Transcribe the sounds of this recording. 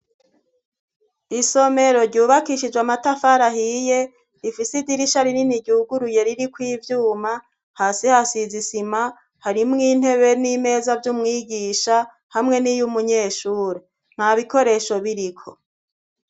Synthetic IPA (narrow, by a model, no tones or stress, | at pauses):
iso̞me̞ɾo̞ɾɟuːβakiʃid͡ʒwamatafaɾaɦije̞ | ɾifisidiɾiʃaɾininiɟuːɡuɾuje̞ɾiɾikwiːvjuːma | haːsihasizisima | haɾimŋiːn̥he̞βe̞nime̞ːzavjumŋiːɡiːʃa | hamŋe̞nijumuɲe̞ːʃuːɾe | n̥haβiko̞ɾe̞ʃo̞βiɾikʰo